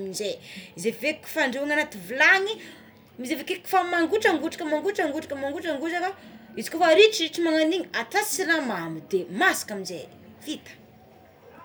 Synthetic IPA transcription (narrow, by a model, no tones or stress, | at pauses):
minzeizeveku̥faɳɖ͡ʐeaŋanat̪ivilaŋi | mizevekeku̥famaŋɡuʈ͡ʂaŋɡuʈ͡ʂḁkəmaŋɡuʈ͡ʂaŋɡuʈ͡ʂḁkəmaŋɡuʈ͡ʂaŋɡuʈ͡ʂakaizi̥kofaɾiʈ͡ʂiriʈ͡ʂimaŋaniɲat̪asiɾamamid̪emasḁkamize | fit̪ə̥